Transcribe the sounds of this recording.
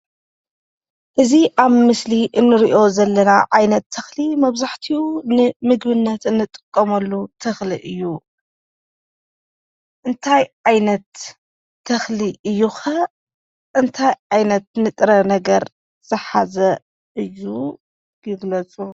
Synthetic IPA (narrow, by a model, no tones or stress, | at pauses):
ʔɨziʔaβmɨsliʔɨnːɨɾiʔo̞zɐlːɐnaʕajnɐt̪ʰːɐxlimɐβzaħt̪ʰiunɨmɨɡbɨnːɐt̪ɨnːɨt̪ʼɨ̥kʼːɐmɐlːut̪ʰɐxliʔɨjːu | ʔɨnt̪ʰajʕajnɐt̪ʰː | ɐxliʔɨjːuxɐ | ʔɨnt̪ʰajʕajnɐt̪̚nɨt̪ʼɨɾɐnɐɡɐɾ | z̥ɨħazɐ | ʔɨjːu | ɡɨɡlɐt͡sʼu